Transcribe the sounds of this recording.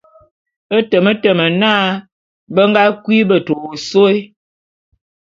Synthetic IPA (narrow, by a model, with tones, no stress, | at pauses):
ə˦tə˨mə˦tə˨mə˨naː˦ | bə˦ŋ˦ɡa˦kwi˦bə˦˨to˨o˨so˦i˦